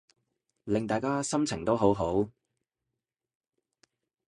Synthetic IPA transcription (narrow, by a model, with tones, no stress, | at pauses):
lɪ˨ŋt̪aː˨jkaː˥sɐ˥mt͡sʰɪ˨˩ŋt̪o˥wɦo˨˥wɦo˨˥w